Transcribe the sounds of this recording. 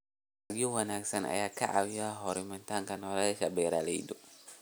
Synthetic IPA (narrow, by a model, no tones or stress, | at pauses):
aɡiuwanaksana̰jakaʔawiaɦɔɾimant̪aŋkanɔɾasabɛɾalidu